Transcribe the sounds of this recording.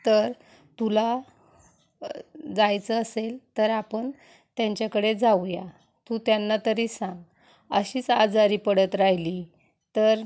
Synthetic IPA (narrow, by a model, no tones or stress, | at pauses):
t̪əɾ | t̪ula | d͡zajt͡səːselt̪əɾapəɳ | t̪jaɲt͡ɕjakəɽed͡zawja | t̪ut̪janːat̪əɾisãŋɡ | əɕiːt͡sad͡zaɾiːpəɽət̪ɾajli | t̪əɾ